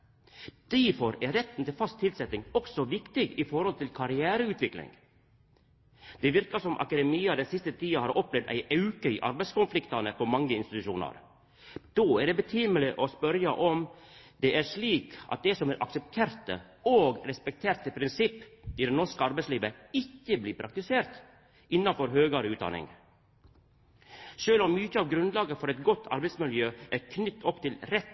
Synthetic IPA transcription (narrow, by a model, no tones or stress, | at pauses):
d̪̥æfɔɾæɾɛt̪ːn̩t̪ɪlfɑst̪ʰːɪlsɛt̪ɪŋɔksɔʋɪkt̪ɪɡɪfɔɾhɔlt̪ɪlkʰɑɾɪæːɾəʉːt̪ʋɪklɪ̰ŋ | d̪̥ɛʋɪɾkɑsɔmʔɑ̰kɑd̪ɛmiːɑd̪ɛnsɪst̪ət̪ʰiːɑhɑːɾɔplɛʋd̪æ̰ɪʔɑʉkəḭːʔɑ̰ɾbæɪskʊnflɪkt̪ɑnəpʰɔmɑŋːəɪnst̪ɪt̪ʉʃuːnɑ̰ɾ | d̪̥oːæɖebət̪ʰyːməlɪʔɔspœɾjɑʔɔmd̪ɛʔæʂɭiːkʔɑ̰t̪̚d̪ɛsɔmæɾʔɑ̰ksəp̚t̪ʰeːɾt̪ə | oːɡɾɛspɛk̚t̪ʰeːɾt̪əpʰɾɪnsɪpːid̪ɛnɔʂkəɑɾbɛɪsliːʋəɪçːəbliːpʰɾʔɑk̚t̪ɪseːɾt̪ | ʔɪnːɑfɔɾɦøːɡɑɾəʉːt̪̚d̪ɑ̰nɪ̰ŋ | ʃøːlɔmːʏtːəɑːʋɡɾʉnlɑːɡəfɔɾɛɪt̪̚ɡɔt̪ːʰɑ̰ɾbæɪtsmɪljøːʔæɾkʰnʏt̪ːʰɔpːt̪ʰɪlɾɛt̪ː